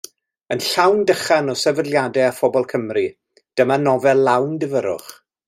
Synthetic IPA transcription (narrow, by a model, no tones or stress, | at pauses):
ənɬawndəχanɔsɛvədˡlˠjadɛafɔbɔlˠkʰəmri | d̥əmanɔvɛllawndɪvəɾʊ̰χ